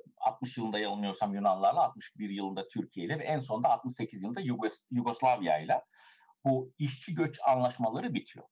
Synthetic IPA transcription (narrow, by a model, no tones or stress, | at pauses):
a̰t̪̚mɯʃjɯlˠɯnd̪ajalˠɯnɯjo̞ɾsamjunanlˠaɾlˠaːt̪̚mɯʃbiɾjɯlˠɯnd̪at̪ʰyɾcʰije̞jlʲɛvɛʔænso̞nd̪aːt̪̚mɯʃse̞cʰizjɯɯnd̪ajjuɡo̞slˠavija̰jlʲˠa | buiʃt͡ʃʰiɟø̞t͡ʃanlˠaʃmalˠaɾɯbit̪ʰijo̰